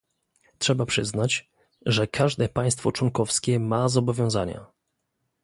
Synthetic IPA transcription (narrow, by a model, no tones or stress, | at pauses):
tʂɛbapʂɘznat͡ɕ | ʐɛkʰaʐd̪ɛpaj̃st̪fɔt͡ʂwɔŋkɔfskʲɛmazɔbɔvʲjɔ̃w̃zaɲa̰